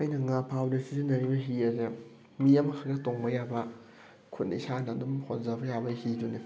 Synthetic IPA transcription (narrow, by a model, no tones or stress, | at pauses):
ɐjnɐŋapʰawdesisinɐɾibɐɦiɐze | mijɐmkʰaɡɐtoŋbɐjabɐ | kʰut̚nḭsanadumhonzabɐjabɐhiduni